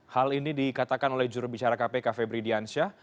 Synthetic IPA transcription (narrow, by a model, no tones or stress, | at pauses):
halinidikat̪akanolɛhd͡ʒuɾubit͡ʃaɾakapekafebɾidiansia